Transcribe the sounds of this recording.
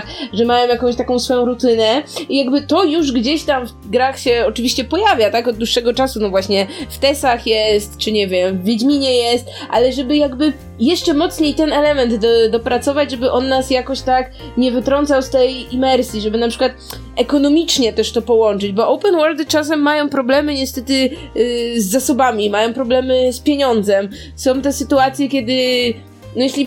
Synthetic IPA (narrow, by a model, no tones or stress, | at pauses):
xʐɛmajɔ̃mjakɔ̃w̃ɕt̪akɔ̃w̃sfɔjɔ̃w̃ɾut̪ɘnɛijaɡbɘt̪ɔjuʐɡd͡ʑeɕt̪amf | ɡɾaxɕɛɔt͡ʂɨvʲiɕt͡ɕɛpɔjavʲjat̪akɔd̪̚d̪wuʂːɛɡɔt͡ʂasunɔvwaɕɲɛft̪ɛsaxjɛst̪t͡ʂɘɲɛvʲjɛmvːʲjed͡ʑmʲiɲɛjɛst̪ʔa̰lɛʐɛbɘjaɡbɘ | jɛʂt͡ʂɛmɔt̪sɲejt̪ɛnɛlɛmɛnd̪d̪ɔpɾat̪sɔvad͡ʑʐɛbɘʔɔnːasjakɔɕt̪ak | ɲɛvɘt̪ɾɔnt̪sawst̪ɛjimɛɾsʲjiʐɛbɘnapʂɘ̥kwat̪̚ | ʔɛkɔnɔmʲit͡ʂɲɛt̪ɛʂt̪ɔpɔwɔnt͡ʂɘd͡ʑbɔʔɔwpɛnwɔld̪ɨt͡ʂas̬ɛmːajɔ̃w̃pɾɔblɛmɘɲɛst̪ɛt̪ɘ | zːasɔbamʲimajɔ̃w̃pɾɔblɛmɘspʲjeɲɔnd̪zɛm | sɔ̃w̃t̪ɛsɘt̪uat̪sʲjɛkʲjɛd̪ɘ | nɔjɛɕlʲi